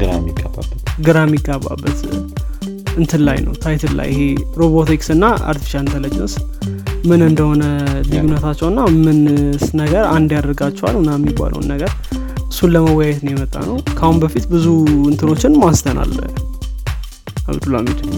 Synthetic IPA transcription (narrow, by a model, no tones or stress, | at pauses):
ɡɨɾamiɡaba̰bət̪ɡɨɾamːiɡʼːaβːa̰bːət̪ | ɨnt̪ʰɨlːa̰jnə̰wt̪ʰajt̪ʰɨlːa̰jʔɪheɾo̞βot̪iksɨnːaa̰ɾt̪ʰi̥fi̥ʃaɨnt̪ʰəlːəd͡ʒnəs | mɨnɨnd̪əho̞nəlijunət̪ʰat͡ʃːɛwɨnːamɨnsnəɡəɾand̪jad̪əɾɡat͡ʃːɛwa̰lʊnːajɛmːibːa̰lʔə̰wnːəɡəɾ | ɨsːunləməwɔjajɛt̪nəwjɛmət̪ʼːa̰nəwkʰahunbəfit̪bɨzuɨnt̪ʰɨno̞t͡ʃːɪnmast̪ʰəna̰lːə̰ | a̰βd̪ulamit̪ʰɨn